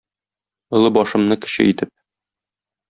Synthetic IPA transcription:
ɤ̆lˠɤbɒʃɤ̆mnɤkɘ̥̆ɕɘ̰it̪ɘp̚

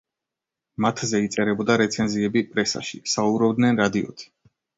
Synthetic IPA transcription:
mat̪ʰzɛit̪sʼɛɾɛbɔd̪aɾɛt̪sʰɛnziɛbipʼɾɛsa̰ʃḭsaubɾɔbd̪nɛnɾad̪iɔ̰t̪ʰi̥

